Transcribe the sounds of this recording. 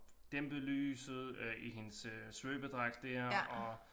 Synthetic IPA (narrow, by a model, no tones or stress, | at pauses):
d̥emb̥əlyːsð̩ˠʔiɦe̝nssːʋøːb̥əd̥ʁaɡ̥̚d̥æɐ̰ɒ